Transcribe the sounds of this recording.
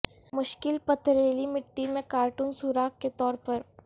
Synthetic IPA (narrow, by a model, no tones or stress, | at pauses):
mʊʃkɪlpɐt̪ʰɾeːlimɪʈːimẽkaːɾʈuːnsuːɾaːkket̪ɔːɾpɐɾ